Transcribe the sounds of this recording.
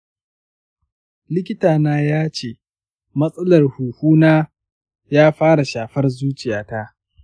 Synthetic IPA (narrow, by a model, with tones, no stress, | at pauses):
lɪ˦kʲɪ˦taː˨naː˦jaː˦t͡ʃeː˦˨ | mɐ˦sʼɐ˦lɐ˨rhuː˨huː˦naː˦ | jaː˦ɸaː˦ɽa˨ʃaː˨ɸɐ˦rzuː˦t͡ʃʼɪ˨jaː˨˦ta˦